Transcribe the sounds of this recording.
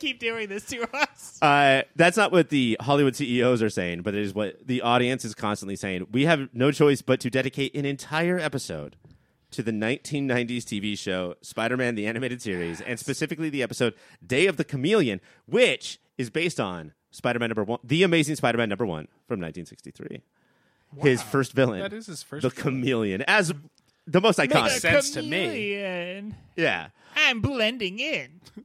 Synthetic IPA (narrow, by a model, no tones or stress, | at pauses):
kip̚d̥ʉɪ̃ŋðɪstɨʌsaɪðætsnəʔ̚wʌt̪̚ðihɑlˠiwʊd̥siioʊzə˞seɪɪ̃ŋbʌt̪̚ðɨ˞ɨzwʌt̪̚ðiʔɔɾiɨ̃nsɨz̥kʰɑ̃nstə̃n̩ʔliseɪɪ̃ŋwiɨvnoʊt͡ʃʰɔɪsb̥ʌtʰɨdɛɾɨkʰeɪɾʔɨ̃nɨ̃ntʰaɪə˞ɛpɨsoʊd̥̚ | tʰɨðɨnãɪ̃ntʰĩnːãɪ̃ndiz̥tʰiviʃoʊspaɪɾə˞mæ̃nðiænɨmeɪɾɨd̥sɪɹizɨ̰̃nspɨsɪfɨkliðiɛpəsoʊd̚ | deɪʌvðɨkʰɨmilˠjɨ̃n | wɪt͡ʃ | ɨzbeɪstn̩ | spaɪɾə˞mæ̃nʌ̃bə˞wʌ̃nðiɨmeɪzɪ̃ŋspaɪɾə˞mæ̃nːʌ̃mbə˞wʌ̰̃n | fɹʌ̃mnãɪntʰĩnsɪkstḭθɹḭ | ɪz̥fɜ˞stvɪlˠɪ̰̃ɨzɨz̥fðəkʰəmilˠjɨ̰̃nɨz | ðəmoʊstsaɪkʰɑ̃nsɛ̃ɨstʰɨmiɨ̃n | jæ̰ | ãɪ̃mblɛ̃ndɪ̃ŋɪ̃n